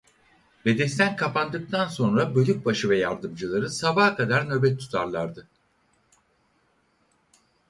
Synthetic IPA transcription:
bed̪ɛst̪ʰænkʰapand̪ɯk̚t̪ʰanso̞nɾabø̞lʲyc̚baʃɯvɛjaɾd̪ɯmd͡ʒɯlˠaɾɯsabaːkʰad̪aɾnø̞bɛt̪ʰːu̥t̪ʰaɾlˠaɾd̪ɯ

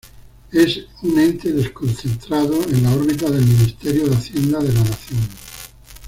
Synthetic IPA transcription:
e̞sunẽ̞nt̪eðe̞skõ̞n̟θent̪ɾaðoenlaoɾβit̪aðe̞lmĩnist̪eɾjoðeaθje̞nd̪aðe̞lanaθjon

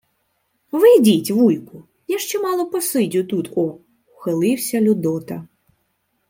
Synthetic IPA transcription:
ʋɪdʲitʲʋujkʊ | jaʃt͡ʃɛmɑlˠɔpɔsɪdʲʊt̪ut̪ɔ | wxelˠɪwsʲɐlʲʊd̪ɔt̪ɐ

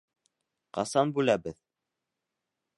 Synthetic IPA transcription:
qɑ̰sɑnbʉlæbɘð

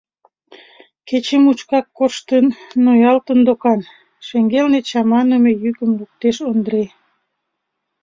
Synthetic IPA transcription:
ket͡ɕemut͡ɕkɑkːoʃt̪ənːojɑlt̪ənd̪okɑn | ʃeŋɡelnet͡ɕɑmɑnəmejykəmluk̚t̪eʃond̪ɾe

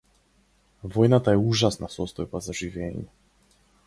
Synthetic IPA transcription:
vɔjnat̪aɛuʒasnasɔst̪ɔjbazaʒivɛːɲɛ

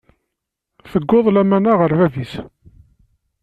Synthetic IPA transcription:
θəɡːoðˤlæmænaʁəɾvæðis

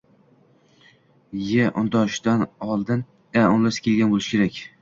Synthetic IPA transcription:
jeʔʊnd̪ɒʃd̪anɒlˠd̪ɪn | aʊnlasɪ̥kʲʰelɡʲanbolˠɪʃɪ̥kʰʲe̞ɾakʲ

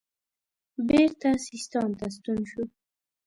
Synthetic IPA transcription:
beɾt̪asist̪ɑmt̪as̬t̪unʃu

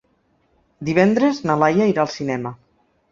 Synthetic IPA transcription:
d̪iβ̞ɛnd̪ɾeznalajaiɾaːlˠsinɛmə

